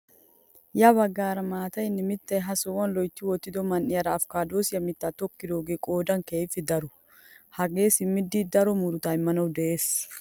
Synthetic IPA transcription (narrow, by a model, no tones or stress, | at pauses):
jɐbɐɡːaːɾɐmaːt̪ɐɪnːɪmɪt̪ːɛɦɐsowɐnlɔjt̪ːɪwɔt̪ːɪd̪ɔmɐnʔɪɐɾɐːfkaːd̪oːsɪjɐmɪt̪ːaːt̪ɔkːɪd̪oːɡekʼo̞ːd̪ɐŋkɛefɪd̪ɐɾʊ | hɐɡeːsɪmːɪd̪ːiːd̪ɐɾɔmʊɾʊt̪aːjmɐnɐwd̪ɛʔeːs